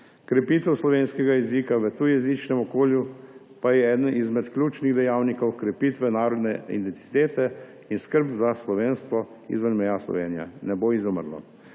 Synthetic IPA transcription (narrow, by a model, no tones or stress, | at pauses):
kɾɛpiːt̪ɛwslɔʋeːnskɛɡajɛzikaʋət̪ujɛzit͡ʃnɛmɔkoːlju | pajɛɛːd̪ənʔizmɛt̪klʲuːt͡ʃniɣd̪ɛjaːwnikɔwkɾɛpiːt̪ʋɛnaːɾɔd̪nɛḭd̪ɛnt̪i̥t̪eːt̪ɛ | inskəɾpzaslɔʋeːnst̪ʋɔ | ḭzʋənmɛjaslɔ̰ʋḛːnija̰nɛboizɔmə̰ɾlɔ̰